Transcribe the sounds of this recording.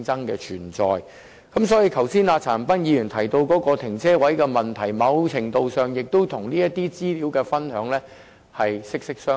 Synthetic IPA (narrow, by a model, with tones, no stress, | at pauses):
t͡sɐ˥ŋkɛ̰ː˧t͡ʃʰyː˨˩nt͡sɔː˨j | kɐ˨˥msɔː˨˥ji˧kʰɐ˨˩wsiː˥naː˨˧t͡sʰaː˨˩npɐ˥njiː˨˧jy˨˩nt̪ʰɐ˨˩jt̪o˧wkɔː˨˥kɔː˧t̪ʰɪ˨˩ŋt͡sʰɛː˥wɐ˨˥jkɛː˧mɐ˨nt̪ʰɐ˨˩jmɐ˨˧wt͡sʰɪ˨˩ŋt̪o˨˧wsœː˨ŋjɪ˨k̚t̪o˥wt̪ʰʊ˨˩ŋniː˥jɐ˥t̪ːiː˥t͡siː˥liː˨˥wkɛː˧fɐ˥nhœː˨˥ŋlɛː˥ | hɐ˨jsɪ˥k̚sɪ˥k̚sœː˥